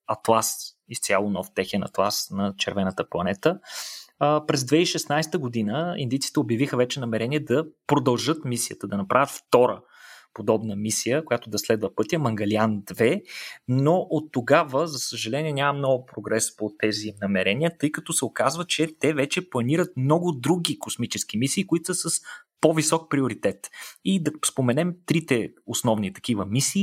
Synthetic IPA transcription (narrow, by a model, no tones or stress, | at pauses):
ɐt̪lˠas | ist̪sʲalˠonɔft̪ɛxɛnɐ̰t̪lˠasnɐt͡ʃɛɾvɛnət̪əplˠɐnɛt̪ə | pɾɛzd̪vɛiʃɛsnajst̪əɡod̪inəḭnd̪it̪si̥t̪ɛobjɐvixəvɛt͡ʃɛnɐmɛɾɛniɛd̪ɐpɾod̪ɐlˠʒɤt̪misiət̪əd̪ɐnɐpɾʔavʲət̪ft̪ɔɾə | pod̪ɔbnəmisijəkojat̪ʊd̪ɐslɛd̪vəpɤt̪ijəmɐŋɡɐliand̪vɛnoʔot̪ːoɡavəzɐsəʒɐlɛniɛnʲamɐmnɔɡʊpɾoɡɾɛspot̪ɛzinɐmɛɾɛnijət̪ɤjkɐt̪ɔsɛokazvət͡ʃɛt̪ɛvɛt͡ʃɛplˠɐniɾət̪̚mnɔɡʊd̪ɾuɡʲikosmit͡ʃɛsk̟imisiːkʊit̪osəsɐspovisɔk̚pɾioɾit̪ɛt̪id̪ɐspomɛnɛmt̪ɾit̪ɛosnɔvnit̪ɐ̥k̟ivəmisiː